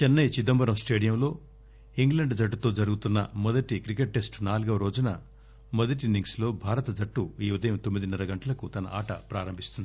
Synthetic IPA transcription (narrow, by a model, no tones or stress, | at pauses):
t͡ʃɛnːɐjt͡ʃid̪ɐmbɐɾɐmsʈe̞ːɽijɐmlo̞ː | iŋɡlɐɳɖd͡ʒɐʈːut̪o̞ːd͡ʒɐɾuɡut̪unːɐ̰mɔd̪ɐʈikɾikeʈ̚ːesʈnaːluɡɐʋɐɾo̞ːd͡ʒunɐ | mɔd̪ɐʈ̬iniŋɡslo̞ːbʱaːɾɐt̪ɐd͡ʒɐʈːuiːʋɐd̪ʱɐjɐmt̪omːid̪inɛɾɐɡɐɳʈɐlɐkut̪ɐnɐ̰ʔaːʈɐpɾaːɾɐmbʱist̪und̪ii